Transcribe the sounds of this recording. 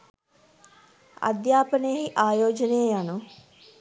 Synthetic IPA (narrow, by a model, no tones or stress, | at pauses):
ɐ̰d̪jaːpɐnəjəɦiʔaːjoːd͡ʒɐnejəjanu